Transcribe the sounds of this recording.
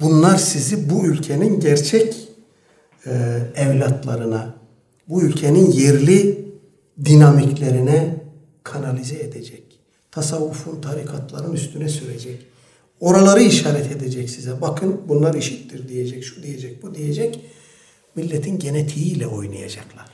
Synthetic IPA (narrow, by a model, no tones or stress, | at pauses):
bunlˠaɾsizibuylʲcʰeninɟæɾt͡ʃʰɛc | ɛvlʲat̪ʰlˠa̰ɾɯna | buylʲcʰeninjeɾlʲi | d̪inamiclʲe̞ɾinɛ | kʰanalʲizɛed̪ed͡ʒɛc | t̪ʰasavːufunt̪ʰaɾikʰat̪lˠaɾɯnyst̪ʰynɛsyɾed͡ʒɛc | o̞ɾalˠaɾɯiʃaːɾɛt̪ʰed̪ed͡ʒɛcsizɛbakʰɯnbunlˠaɾiʃit̪ːiɾd̪ijed͡ʒɛcʃud̪ijed͡ʒɛc̚bud̪ijed͡ʒɛc | milʲːɛt̪ʰinɟe̞net̪ʰijiːlʲɛo̞̰jnˠa̰ja̰d͡ʒaklˠaɾ̥